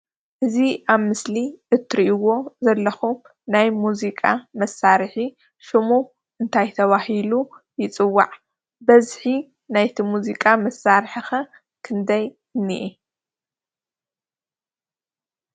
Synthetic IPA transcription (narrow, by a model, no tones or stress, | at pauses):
ʔɨziʔaβmɨsliʔɨt̪ʰːɨɾiʔiwo̞zɐlːɐxum | najmuzikʼamɐsaɾħi | ʃɨmu | ʔɨnt̪ʰajt̪ʰɐβahilu | jɪt͡sʼɨwːa̰ʕ | bɐzħi | najt̪ʰimuzikʼamɐsaɾħixɐ | kʰɨnd̪ɐj | ɨnːḭʔi